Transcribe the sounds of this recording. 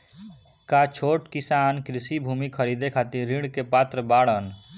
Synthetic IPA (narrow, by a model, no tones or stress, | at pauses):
kat͡ʃʰoʈkisankɾisibʱumikʰəɾid̪ekʰat̪iɾĩɽkepat̪ɾəbaɽən